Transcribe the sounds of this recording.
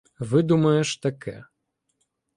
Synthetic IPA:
vɨd̪umɐjɛʂt̪akʰɛ̰

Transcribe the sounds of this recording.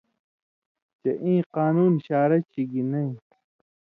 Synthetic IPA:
t͡ɕeʔĩːqaːnuːnɕaːɾɐt͡ɕiɡinɐĩ

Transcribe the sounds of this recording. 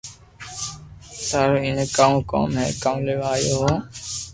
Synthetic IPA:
saːɾoːɪnkaːũːko̰ːmɦɛ̰ːkaːũːleːʋaːjoːɦoː

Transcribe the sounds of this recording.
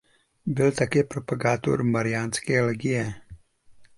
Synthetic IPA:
bɪlt̪akɛːpɾopaɡaːt̪o̰ɾmaɾijaːnskɛːlɛɡijɛ

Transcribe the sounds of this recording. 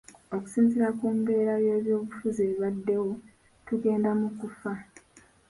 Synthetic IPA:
o̞ku̥siːnziɾakuːmbe̞ːɾaje̞ːβjo̞ːβufuzeβadːe̞wo̞ | tuɡe̞ːndamukufa

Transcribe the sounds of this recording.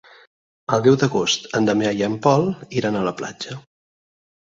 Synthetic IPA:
əlˠd̪ɛwd̪əɣost̪ənd̪əmeajəmpɔliɾanələpla̰d͡ʒə

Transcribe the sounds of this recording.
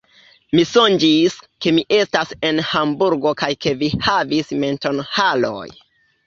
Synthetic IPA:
miso̞nd͡ʒiske̞miʔe̞stase̞nhambuɾɡokajke̞vihavisme̞nto̞nhalo̞̰j

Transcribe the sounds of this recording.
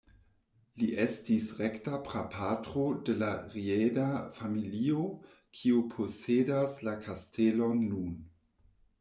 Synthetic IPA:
liʔestisʁektapɾapʰatɾode̞laʁiedafamilio | kʰiopʰo̞sedaslakʰastʰelonːun

